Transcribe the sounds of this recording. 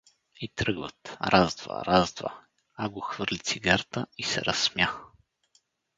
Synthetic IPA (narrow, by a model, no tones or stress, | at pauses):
it̪ɾɤɡvə̰t̪ɾʔazd̪va̰ɾazd̪va̰ | aɡoxvɤɾlʲit̪siɡaɾt̪əisɛ̰ɾɐsmja